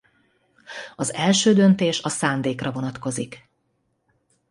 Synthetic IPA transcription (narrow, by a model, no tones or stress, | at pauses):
ɒzɛlʃøːd̪ø̞nt̪eːʃɒsaːnd̪eːkrɒvo̞nɒt̪ko̞zik